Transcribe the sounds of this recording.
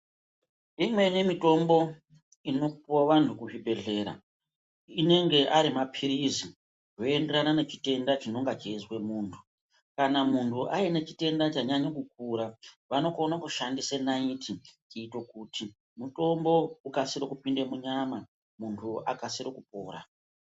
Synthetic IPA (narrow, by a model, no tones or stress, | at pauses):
imwe̞ne̞mito̞mbo̞ | ino̞poʋantʰukuʐibʱe̞ɮe̞ːɾa̰ | ine̞ŋɡe̞ʔaɾimapʰiɾizi | ʐo̞ende̞ɾanane̞t͡ʃi̥te̞ndat͡ʃino̞ŋɡat͡ʃeizwe̞muːntʰu̥ | kanamuntʰuʔaine̞t͡ʃi̥te̞ndat͡ʃaɲaɲokuk̚uɾaʋano̞konakuʃandisenaitʰit͡ʃiːto̞kuti | muto̞mbo̞ukasiɾokupindemuɲama | muntʰuʔakasiɾokupo̞̰ːɾa̰